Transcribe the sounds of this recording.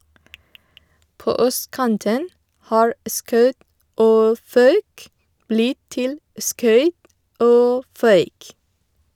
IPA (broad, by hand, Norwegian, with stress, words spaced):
ˈpoː ˈœstˌkɑntən ˈhɑːɹ ə ˈskɑʉt ˈoː ˈfɑʉk ˈblɪt ˈtɪl ə ˈskœʏt ˈoː ˈfœʏk